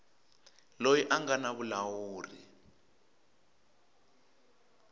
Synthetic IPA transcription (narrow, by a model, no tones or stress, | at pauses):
lojiʔaŋɡanaβulawuːri